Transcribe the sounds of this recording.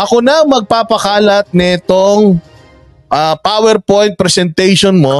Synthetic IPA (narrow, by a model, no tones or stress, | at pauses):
ʔɐkonɐɐŋmɐɡ̚paːpɐkaːlɐt̪̚nɐɪt̪oŋ | ʔɐpaːwɛɾpojnt̪̚pɾɛsɛnt̪ɛjʃonmo